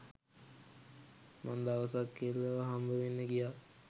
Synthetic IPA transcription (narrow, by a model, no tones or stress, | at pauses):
mand̪aʋəsakːelːəʋɦambəʋenːəkija